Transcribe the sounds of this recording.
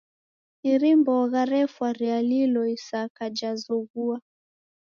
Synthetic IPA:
iɾimbɔɣaɾɛfwaɾialilɔisakad͡ʒazɔɣua

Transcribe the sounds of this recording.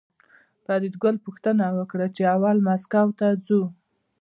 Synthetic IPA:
paɾid̪ɡəlpuxt̪ənawəkɽat͡ʃeawalmaskawt̪ad͡zu

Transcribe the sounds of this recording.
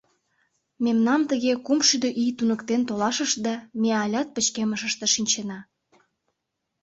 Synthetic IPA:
memnɑmt̪əɣekumʃyd̪eʔijt̪unəkt̪ent̪olɑʃəʃd̪ɑmeɑlʲɑt̪̚pə̆t͡ɕkeməʃəʃt̪ĕʃinʲt͡ɕenɑ

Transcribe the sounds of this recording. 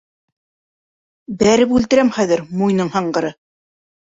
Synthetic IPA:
bæɾɘpʉlt̪ɘ̆ɾæmχæðɘ̆ɾmujnɤɴhɑɴɢɤ̆ɾɤ

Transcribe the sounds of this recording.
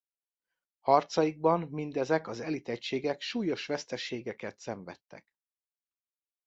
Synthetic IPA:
hɒrt̪sɒjiɡ̚bɒmmind̪ɛzɛkɒzɛlit̪ɛcʃeːɡɛkʃuːjo̞ʃʋɛst̪ɛʃeːɡɛkɛt̪sɛɱvɛ̰t̪ːɛ̰k

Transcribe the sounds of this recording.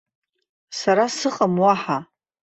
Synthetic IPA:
saɾasɨχʼamwaħa

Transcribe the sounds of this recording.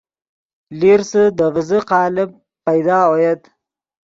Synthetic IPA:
liɾsəd̪əvəzəqɑːlɪb̚ | pajd̪ɑːojad̪

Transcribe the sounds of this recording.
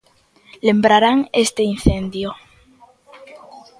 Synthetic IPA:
lembɾaɾaŋest̪ein̟θend̪jo

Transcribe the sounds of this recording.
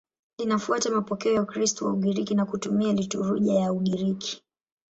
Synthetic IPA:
linafuatamapɔkɛɔjaukɾistɔwa̰uɠiɾikinakutumialituɾuʄajauɠiɾiki̥

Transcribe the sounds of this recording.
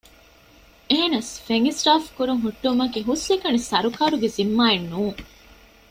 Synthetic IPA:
eɦenɐsfeŋisʈaːfkuɾuŋɦuʈːumɐkiɦuslekɐnisɐɾukɐɾuɡezimːaːenːuːŋ

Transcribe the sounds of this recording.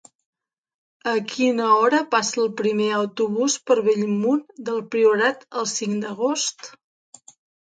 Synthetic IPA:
əkʰinəɔɾəpasəːlˠpɾimeəwt̪uβuspəɾβeʎmund̪əlˠpɾiuɾat̪əlˠsiŋd̪əɣost̪

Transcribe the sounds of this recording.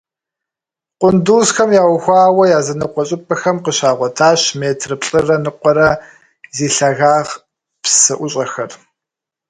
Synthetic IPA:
qʷʼʊnduːsxɐmjaːwxʷaːwɐjaːzɐnɨqʷɔɕʼɪpʼɐxɐmqəɕaːʁʷɔtʰaːɕmeːtʰrɨpɬʼɨrɐnɨqʷɔɾɐ | ziːɬɐɣaːʁ | psɨʔʷʊɕʼɐxɐr

